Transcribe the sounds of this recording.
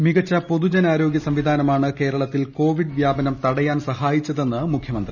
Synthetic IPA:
miɣɐt͡ɕːɐpo̞ðud͡ʑɐnaːɾo̞ːɡjɐsɐmʋid̪ʱaːnɐmaːɳɨke̞ːɾɐɭɐt̪ːilko̞ːʋiɖʋjaːbɐnɐmt̪ɐɽɐjaːnsɐhaːjit͡ɕːɐðe̞nːɨmukʰjɐmɐnd̪ri

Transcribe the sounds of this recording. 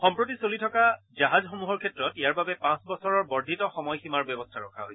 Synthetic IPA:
xɔmpɹot̬isolitʰɔka | zaɦazxomuɦɔɹkʰɛtɹɔtijaɹbabɛpãsbɔsɔɹɔɹbɔɹdʱitɔxɔmɔjximaɹbɔbɔstʰaɹɔkʰaɦojɛ

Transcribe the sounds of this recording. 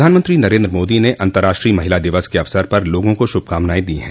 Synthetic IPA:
d̪ʱaːnmə̃nt̪ɾinɐɾẽːnd̪ɾəmoːd̪ineʔɐ̃nt̪əɾaːʃʈɾiːmɐɦɪlad̪ɪʋəskeɐʋsəɾpɐɾloːɡõkoʃʊb̚kaːmnaːed̪iɦɛ̰̃ː

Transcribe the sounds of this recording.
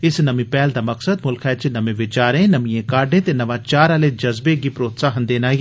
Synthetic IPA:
ɪsnɐmĩpɛːld̪aːmɐksəd̪mʊlkʰɛt͡ʃnɐmẽʋɪt͡ʃaːɾẽːnɐmĩjẽkaːɾɖẽːt̪enɐʋãːt͡ʃaːɾaled͡ʒɐzbeɡipɾoːt̪saːɦənd̪eːnaːi

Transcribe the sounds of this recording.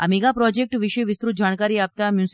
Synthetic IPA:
a̰meɡapɾɔd͡ʒek̚ʈʋɪʃəʋɪst̪ɾut̪̚d͡ʒaɽ̃kaɾiap̚t̪amjus

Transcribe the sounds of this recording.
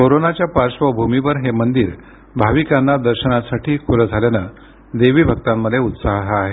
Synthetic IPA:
koɾonat͡ɕjapaɾɕʋəbʱumiʋəɾɦemənd̪iːɾ | bʱaʋikanːad̪əɾɕənasaʈʰiːkʰuɾəd͡zʱaljana | d̪eʋiːbʱəɡ̚t̪amːəd̪ʱeut̪saɦɦaɦe

